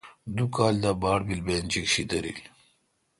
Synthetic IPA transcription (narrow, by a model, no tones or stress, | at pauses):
d̪ukaːld̪abaːɽbilbeːnt͡ɕikɕid̪ɐɾḭl